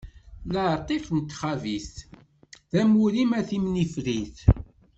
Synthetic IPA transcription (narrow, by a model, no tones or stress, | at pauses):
ləɾt̪ˤifnt̪ːχæviθ | ðæmuɾimæθimnifɾiθ